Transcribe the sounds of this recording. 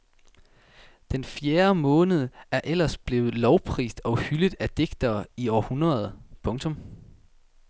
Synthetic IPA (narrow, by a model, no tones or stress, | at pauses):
d̥enfjeːɐmɔ̽ːnəð̞ˠəæɐʔel̰ɐsb̥le̝ːʊð̩ˠlɒʊpʰʁḭːsd̥ɒ̽ʊhyləð̩ˠæd̥e̝ɡ̥d̥ɐːiɒ̰ːhunɐðˠpʰɔ̽ŋt͡sʰɔ̽m